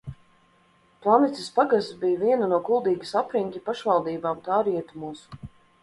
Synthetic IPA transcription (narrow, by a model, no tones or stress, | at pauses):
plˠanit̪ʲispaɡast̪bijviɛnanuɔkulˠd̪iːɡisapɾiŋʲk̪ʲipaʃvalˠd̪iːbaːmt̪aːɾiɛt̪umuɔs